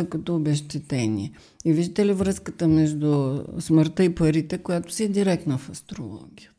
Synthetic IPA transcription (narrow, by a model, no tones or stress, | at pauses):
əkət̪ɔobɛʃt̪ɛt̪ɛnḭɛ | iviʒd̪it̪ɛlivɾɤskət̪əmɛʒd̪ʊsməɾt̪əipɐɾit̪ɛkʊjat̪ʊ̥siɛd̪iɾɛk̚t̪nɐfɐst̪ɾo̰lˠɔ̰ɡʲijə